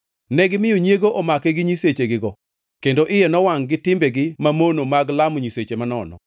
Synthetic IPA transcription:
nɛɡɪmɪjoɲjeɡoʔɔmakɛɡɪɲiset͡ʃeɡɪɡɔ | kendoʔɪjenɔwaŋɡɪtɪmbɛɡɪmamonomaɡlamɲiset͡ʃemanɔnɔ̰

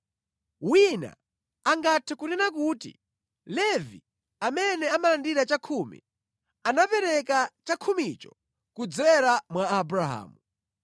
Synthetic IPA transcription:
wina̰ | aŋɡatʰɛkunɛnak̬uːtḭ | lɛvḭ | amɛnɛamalandiɾat͡ʃakʰumḭ | anapɛɾɛkat͡ʃakʰumit͡ʃɔ̥ | kud͡zɛɾamwaːbɾaɦa̰ːmu

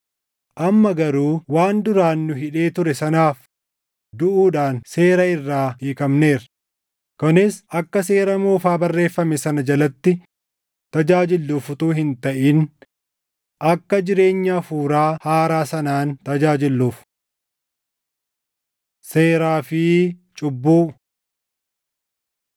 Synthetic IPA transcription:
ʔɐmːɐɡɐɾuːwaːnd̪ʊɾaːnːʊɦɪᶑe̞ːt̪ʊɾɛsɐnaːf | d̪ʊʔuːᶑaːnse̞ːɾɐɪrːaːiːkɐmne̞ːɾ | kɔnɪsɐkːɐs̬e̞ːɾɐmoːfaːbɐrːe̞ːfːɐmɛsɐnɐd͡ʒɐlɐt̪ːɪ | t̪ɐd͡ʒaːd͡ʒɪlːuːfʊt̪uːhɪnt̪ɐʔiːn | ʔɐkːɐd͡ʒɪɾe̞ːɲːaːfuːɾaːhaːɾaːsɐnaːnt̪ɐd͡ʒaːd͡ʒɪlːuːf | seːɾaːfɪt͡ʃʼʊbːuː

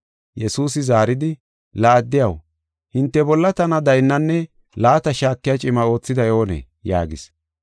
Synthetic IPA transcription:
jɛsuːsɪzaːɾɪd̪ɪ | laːd̪ːɪjɐw | hɪnt̪ːɛbɔlːɐt̪ɐnɐd̪ɐjnːɐnːɛ | laːt̪ɐʃaːkːɪjɐt͡ʃʼɪmɐo̞ːt͡sːɪd̪ɐjo̞ːnḛː | ja̰ːɡɪs

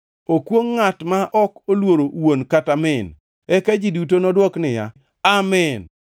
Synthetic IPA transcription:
okwoŋːatmaʔɔkolwoɾowonkatamɛn | ɛkad͡ʒidutonɔdwɔknɪja̰ | amɛn

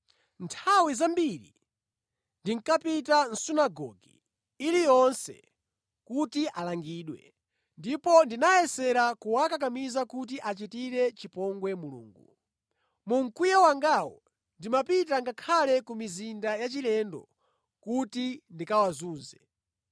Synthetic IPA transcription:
ntʰawizambiɾḭ | ndiŋkapitan̩sunaɡɔ̰ɡḭː | lijɔnsɛ̰ | kutiʔalaŋɡiːɗwɛ̰ | ndipɔndinajɛsɛɾakuwakak̬amizakut̬iʔat͡ʃitiɾɛt͡ʃipɔŋɡwɛmulṵːŋɡu | muŋ̩kujawaŋɡawɔ̰ | ndimapit̬aŋɡakʰalɛkumizindajat͡ʃilɛndɔ̰ | kutindikawazuːnzɛ

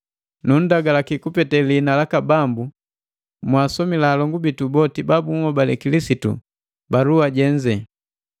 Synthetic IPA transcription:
nun̩daɡalakikupɛtɛlinalakabambu | mwaːsɔmilaːlɔŋɡubitubɔtibabuŋɔbalɛkilisitṵ | baluaɟɛɲd͡ʒɛ

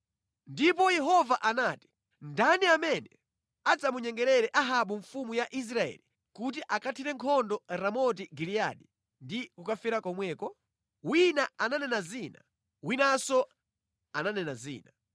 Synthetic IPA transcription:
ndipɔjɛɦɔvaʔanaːti̥ | ndaniamɛnɛ | ad͡zamuɲɛŋɡɛɾɛɾɛʔaɦaɓuɱfumujaʔis̬ɾaɛ̰li | kut̬iʔakatʰiɾɛŋkʰɔndɔɾamɔt̬iɡilija̰ɗi | ndikukafiɾakɔmwɛːkɔ | winaananɛnazina̰ | winasɔ | ananɛnazḭːna

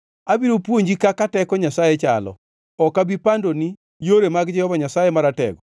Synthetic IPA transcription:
abiɾopwoɲd͡ʒikakatɛkɔɲasajet͡ʃa̰lɔ̰ | ɔkabipandoni | joɾemaɡd͡ʒɛhɔvaɲasajemaɾatɛ̰ɡɔ

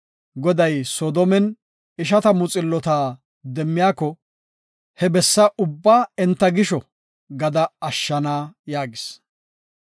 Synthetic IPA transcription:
ɡɔd̪ɐjsɔːd̪ɔmɛn | ɪʃ̬ɐt̪ɐmʊt͡sʼɪlːɔt̪aː | d̪ɛmːɪjaːkɔ | hɛbɛsːɐʔʊbːaːɛnt̪ːɐɡɪʃɔ | ɡɐd̪ɐɐʃːɐnaːjaːɡɪs

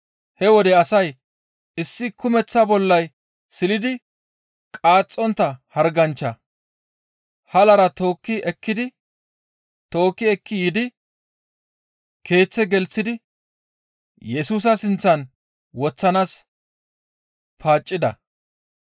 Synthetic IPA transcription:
hɛwɔd̪ɛɐsɐj | ɪsːɪkʊmɛt͡sːɐbɔlːɐj | sɪlɪd̪ɪ | kʼaːt͡sʼːɔnt̪ːɐhɐɾɡɐnt͡ʃːɐ | hɐlɐɾɐt̪o̞ːkːɪɛkːɪd̪ɪ | t̪o̞ːkːɪɛkːɪjɪd̪ɪ | kʰe̞ːt͡sːɛɡɛlt͡sːɪd̪ɪ | jɛsuːs̬ɐsɪnt͡sːɐn | wɔt͡sːɐnaːs | pʰaːt͡ʃʼːɪd̪ɐ̰

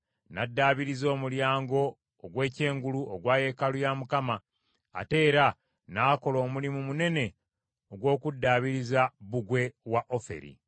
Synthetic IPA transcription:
nadːaːβiɾizo̞ːmuljaːŋɡo̞ː | ɡwe̞ːce̞ːŋɡuluʔoɡwaːje̞kalujamukama̰ː | te̞ːɾa | naːko̞lo̞ːmulimumune̞ne̞ | oɡwo̞ːkudːaːβiɾizaβuɡwe̞waʔo̞fe̞̰ɾḭ

